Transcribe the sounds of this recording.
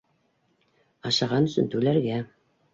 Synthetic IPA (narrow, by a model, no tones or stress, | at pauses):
ɑʃɑʁɑnɵ̆sɵ̰nt̪ʉlæɾɡæ